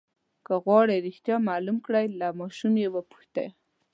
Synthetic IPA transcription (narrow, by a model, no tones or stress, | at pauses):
kaɣwɑɽeɾɪxt̪jɑmɑlumkɽajlamɑʃumjewəpu̥xt̪a̰j